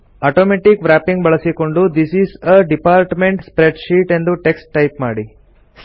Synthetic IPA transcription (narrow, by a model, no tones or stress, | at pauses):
aːʈoːmeʈikʋɾæːpĩŋɡbɐɭɐsiko̞ɳɖud̪isisɐɖipaːɾʈmeɳʈspɾeɖʃiːʈe̞nd̪uʈeksʈːɐjpmaːɽi